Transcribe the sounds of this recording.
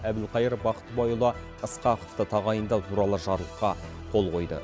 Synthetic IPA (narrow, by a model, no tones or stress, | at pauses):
æb̪ɪlˠqʰɑjəɾbɑqə̥t̪bɑjulˠɑ | əsqɑqə̥ft̪ət̪ʰɑʁɑjənd̪ɑt̪ʰuɾɑlˠəʒɑɾlˠəqqːɑ | qʰo̞lˠqʰo̞jd̪ə̰